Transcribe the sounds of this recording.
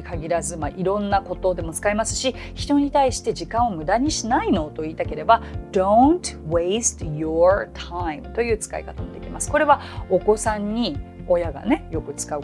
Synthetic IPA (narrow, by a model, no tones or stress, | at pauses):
kaɡʲiɾazɨmaʔiɾõ̞nːako̞t̪o̞ːd̪e̞mo̞t͡sɨ̥kaimasɨ̥ɕi | çi̥t̪o̞ɲ̟it̪aiɕi̥t̪e̞ʑikãɰ̃omɯ̟d̪aɲ̟iɕinaino̞ːt̪o̞iːt̪ake̞ɾe̞bad̪̥õ̞nt̪west̪jot̪ʰaĩmt̪o̞jɯ̟ːt͡sɨ̥ka̰ḭkat̪amo̞d̪e̞kʲimasɨ̥ko̞ɾe̞βa | o̞ko̞sãɲ̟ːio̞jaɡa̰ne̞jo̞kɯ̟t͡sɨ̥kaɯ